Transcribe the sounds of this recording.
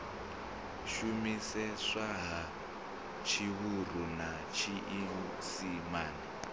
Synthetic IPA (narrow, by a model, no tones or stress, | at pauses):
ʃumisɛʂaɦa | t͡ʃʰiɦuruna | t͡ʃʰiʔiɦu | simaːni